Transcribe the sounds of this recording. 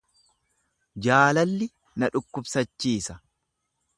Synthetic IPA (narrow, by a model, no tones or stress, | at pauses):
d͡ʒaːlɐlːɪ | nɐᶑʊkːʊbsɐt͡ʃːiːsɐ